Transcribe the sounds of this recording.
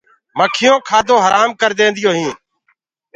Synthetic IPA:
məkʰɪjõːkʰaːd̪õːɦəɾʔaːmkəɾd̪ẽːnd̪ɪjoːɦĩː

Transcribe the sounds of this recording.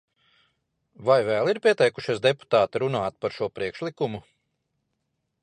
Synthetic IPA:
vajvɛːlˠiɾpʲiɛt̪ɛjkuʃisd̪epu̥t̪aːt̪iɾunaːt̪̚paɾʃuɔpɾiɛkʃlˠikumu

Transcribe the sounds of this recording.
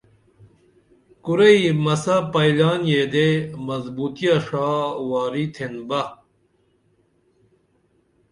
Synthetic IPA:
kuɾɐimɐsɐpɐilaːnjed̪emɐzbuːt̪ijɐʂaːwaːɾit̪ʰenbɐ

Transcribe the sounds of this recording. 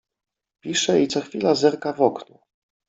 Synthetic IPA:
pʲiʂɛit̪sɔxfʲilazɛɾkavɔknu

